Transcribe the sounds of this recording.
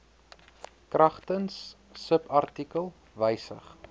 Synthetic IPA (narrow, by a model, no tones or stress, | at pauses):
krɐχtənsː | əpɐrtikəlˠ | vəjsə̰χ